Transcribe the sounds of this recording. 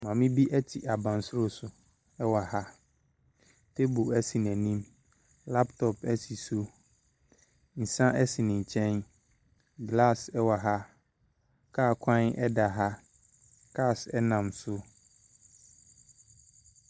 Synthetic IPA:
mã˨mɪ̃˦bi˦ʔɛ˦tʰɪ˨ʔa˨bã˨nsʊ˦ɾo˦sʊ˨ | ɛ˦wa˨ha˦ | tʰe˦bo˨ɛ˦si˨nɛ̃˨nĩ˦m | la˦ptʰɔ˨pɛ˦si˨su˦ | n̩˨sã˦ʔɛ˦si˨nɪ̃˨ɲ˨t͡ɕʰɛ̃˦n | ɡla˦˨sɛ˦wa˨ɦa˦ | kʰaː˦˨kʰã˦nɛ˦da˨ɦa˦ | kʰa˦˨sɛ˦nã˨msʊ˦

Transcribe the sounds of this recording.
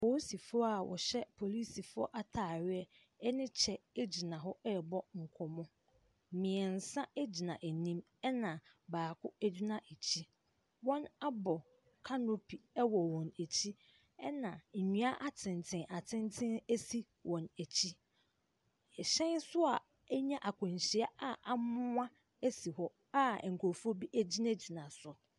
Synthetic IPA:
po˨˦si˨fʊ˦ɔ˦a˨wʔɔ̰˨ɕɛ˦pʰo˨li˦si˨fʊ˦ɔ̰˦ʔa˦tʰaː˨ɥɪ˦ɛ˦ | ɛ˦nɪ̃˦t͡ɕʰɛ˨e˦d͡ʑi˨nã˨ɦɔ˦ɛ˦˨bɔ˦ŋ̩˨kʰɔ˨mɔ̃˦˨ | mɪ̃˨ɛ˨n̩˨sã˦e˦d͡ʑi˨nã˨ʔe˨nĩ˦m | ɛ˦nã˨baː˨kʰʊ˦æ˦d͡ʑi˦nã˦ʔe˨t͡ɕʰi˦ | wɔ̃˦na˦bɔ˨ | kʰa˦no˦pʰi˨ɛ˦wɔ˨wɔ̃˨næ˨t͡ɕʰi˦ | ɛ˦nã˨ɲũ˦a˦ʔa˦tʰɪ̃˨n˨tʰɪ̃˨nʔa˨tʰɪ̃˦ntʰɪ̃˦næ˦si˦ | wʔɔ̃˨næ˨t͡ɕʰi˦˨ | ɕɛ̃˦nsʊ˦a˨ | ɛ˦ɲã˦ʔa˨kʰʊ̃˨ɲ˨ɕi˨a˦a˦ʔa˨mʊ̃˦ã˦ | e˦si˨hɔ˦ | a˦˨ŋ̩˨kʰo˨fu˦o˦bi˦ʔæ˦d͡ʑi˦na˦d͡ʑi˨nã˨sʊ˨

